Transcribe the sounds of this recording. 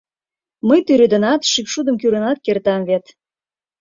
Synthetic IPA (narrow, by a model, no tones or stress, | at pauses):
məjt̪yɾød̪ə̆nɑt̪ʃypʃud̪əmkyɾənɑt̪̚kert̪ɑmvet̪